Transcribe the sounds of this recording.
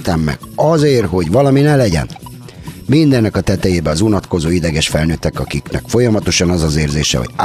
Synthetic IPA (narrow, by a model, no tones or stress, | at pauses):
t̪ɛmːɛ̰ɡ̥ɒzeːrɦo̞ɟʋɒlɒminɛlɛɟɛ̰n | mind̪ɛnːɛkɒt̪ɛt̪ɛjeːbɛɒzunɒt̪ko̞zoːid̪ɛɡɛʃfɛlnøːt̪ːɛkɒkiknɛ̰kfo̞jɒmɒt̪o̞ʃɒnɒzɒzeːrzḛːʃɛ̰ɦo̰ɟa